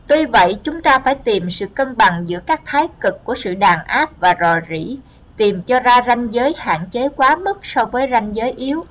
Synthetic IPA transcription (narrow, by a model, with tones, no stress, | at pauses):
t̪wi˧və̰˧˨jt͡ɕʊ˨˦ŋ͡mt̪aː˧faː˧˩jt̪i˨˩msɨ̰˧˨kə˧nɓa˨˩ŋzɨ̰˧˥əkaː˦˥k̚t̪ʰaː˨˦jkɨ˨˩kːu˧˩əsɨ̰˧˨ɗaː˨˩nʔaː˦˥p̚vaː˨˩zɔ˨˩zḭ˧˩˥ | t̪i˨˩mt͡ɕɔ˧zaː˧za˧jŋ̟zəː˨˦jha̰ː˧˨ŋt͡ɕe˨˦kwaː˨˦mə˦˥t̚sɔ˧vəː˨˦jza˧jŋ̟zəː˨˦jʔi˨˦əw